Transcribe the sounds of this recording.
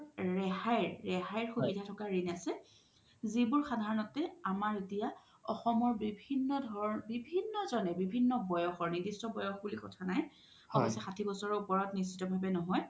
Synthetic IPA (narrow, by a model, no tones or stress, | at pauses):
ɹɛhajɹːɛɦajɹxukidʱatʰɔkaɹinasɛ | zibʊɹxadʱaɹɔnɔtɛamaɹetija | ɔ̰xɔmɔɹbibʱinːɔdʱɔbibʱinːɔzɔnɛbibʱinːɔbɔjɔxɔɹnidistɔbɔjɔxbulikɔtʰanaj | ɔɔsɛxatʰibɔsɔɹɔupɔɹɔtnisːitɔbʱabɛnɔɦɔj